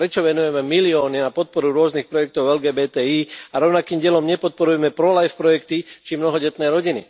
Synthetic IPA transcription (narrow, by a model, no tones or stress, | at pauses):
pɾɛt͡ʃɔʋɛnujɛmɛmiliɔːninapɔt̪̚pɔɾuɾʊɔznixpɾɔjɛk̚t̪ɔʊɛlɡɛːbɛːt̪ɛːiːaɾɔʊnakiːmɟɪɛlɔmɲɛpɔt̪̚pɔɾujɛmɛpɾɔlajfpɾɔjɛkt̪it͡ʃimnɔɦɔɟɛt̪nɛːɾɔɟinḭ